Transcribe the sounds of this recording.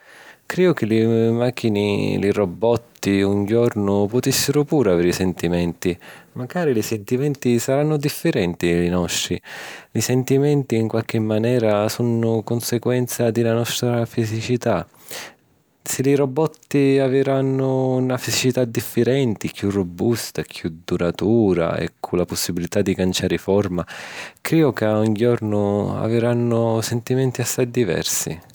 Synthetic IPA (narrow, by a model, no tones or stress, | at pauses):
kɾiːʊk̟ɪlɪmaːk̟ːinɪ̰lirobːɔt̪ːiuɲd͡ʒɔrnʊpʊt̪isːɪɾʊpuːɾavɛɾisɛnt̪imɛnt̪imaɡaːɾilisɛnt̪imɛnt̪isaɾanːʊd̪ifːɪɾɛnt̪ilinɔʃːilisɛnt̪imɛnt̪iːŋkwalk̟ɪmːanɛːɾasunʊkonseɡwɛnt̪sad̪ɪlanɔst̪ɾafizit͡ʃit̪a | sɪliɾobɔt̪ːiavɪɾanːʊnafizit͡ʃit̪ad̪ːifːeɾɛnt̪ikjurːobːust̪akʰjud̪uɾat̪uːɾa̰ɛ̰kʰːulaposːibilit̪ad̪ːikant͡ʃaːɾɪfɔrmakɾiːʊkeaɔɲd͡ʒɔrnʊa̰vɪɾanːʊsɛnt̪imɛnt̪iasːajd̪ivɛ̰rsḭ